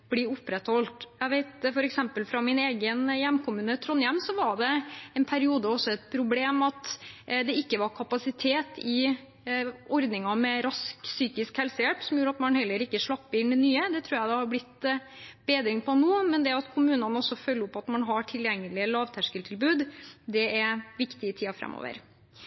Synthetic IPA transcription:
b̥liːʊpːɾɛt̪hɔlt̪jæɪʋeɪt̪fɔɾɛksɛmpəlfɾɑmɪneːɡənjɛmːkʰʊmʉːnət̪ʰɾɔnjɛmːsɔʋɑɖɛɛnpʰæɾɪuːd̪əɔsːɔɛt̪̚pʰɾʊbleːmɑt̪d̪ɛɪkːəʋɑɾkʰɑpɑsɪt̪ʰeːt̪ɪ | ʔɔɾd̪nɪŋɑmɛɾɑsksyːkɪskhɛlsəjɛlpsɔmjuːɾəɑt̪mɑnhɛlːəɾɪkːəʂɭɑpːəɪnɛnyːəd̪ɛt̪ʰɾuːɾjæɪd̪ɛhɑɾblɪt̪ː | b̥eːd̪ɾɪŋpʰɔnuːmɛnd̪ɛɑt̪kʰʊmʉːnɑnəɔsːɔfœlːəʊpːɑt̪mɑnɦɑʈʰɪljɛŋːəlɪəlɑːʋt̪ʰæʂkəlt̪ʰɪlbʉːd̪d̪ɛɛɾʋɪkt̪ɪt̪ʰiːɑfɾɛ̰mːo̰ːʋə̰ɾ

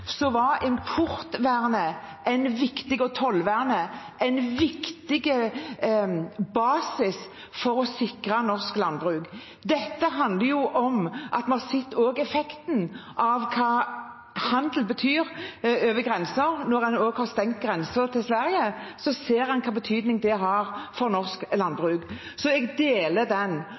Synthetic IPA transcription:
sɔʋɑɪmpʰʊɾt̪ʋæːʁnə | ʔɛɪnʋɪkt̪ɪɡɔt̪ʰɔlːʋæːʁnə | ʔɛɪnʋɪkt̪ɪɡə | bɑːsɪs | fɔɾɔsɪkʁɑnɔʁsklɑnbʁʉːk | d̪ɛt̪ːəɦɑnd̪ləjʊʔɔmʔɑt̪mənɑsɪt̪ːoːɡɛfɛkt̪nʔɑʋkʰɑː | hɑnd̪l̩bət̪ʰyːɾøːʋəɡʁɛnsəɾnɔɾɛnoːɡhɑʁst̪ɛŋkt̪̚ɡʁɛnsət̪ʰɪlsʋæɾjəsɔseːɾɛnkʰɑːbət̪ʰyːd̪nɪŋd̪ɛɦɑɾfɔɾnɔʁsklɑnbʁʉːɡ | sɔɛɡd̪eːləd̪ɛn

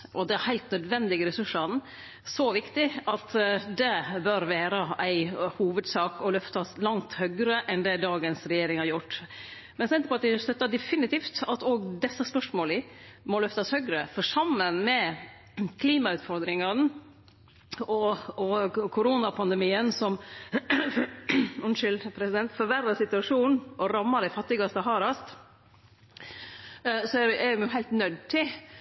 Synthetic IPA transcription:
ʔɔd̪ɛæɾhæɪlt̪nœd̪ʋɛnd̪ɪɡəɾɛsʉʂɑn | sɔʋɪkt̪ɪɑt̪d̪ɛbœɾʋeːɾəæɪhuːʋəd̪sɑːkɔlœft̪ɑslɑŋt̪hœɡɾəʔɛnd̪ɛd̪ɑːɡənsɾɛjeːɾɪŋhɑɾjʊʈː | mɛnsɛnt̪əpʰɔɑt̪ɪst̪œt̪ːɑd̪ɛfɪnɪt̪iːft̪ɑt̪oːɡd̪ɛsːəspœʂmoːlɪmɔlœft̪ɑshœɡɾəfɔʂɑmːənmɛ | kʰliːmɑʉːt̪fɔɾd̪ɾɪŋɑn | ɔɔkʰʊɾuːnɑpʰɑnd̪ɛmiːənsɔm | ʉnʂʏlpʰɾɛsɪd̪ɛnt̪fɔɾʋæɾːɑsɪt̪ʉɑʂuːn̩ʔɔɾɑmːɑɾɪfɑt̪ːɪɡɑst̪ɑɦɑːɾɑst̪ | sɔɛɾɛɪmʊɦæɪlt̪nœd̪t̪ʰɪ

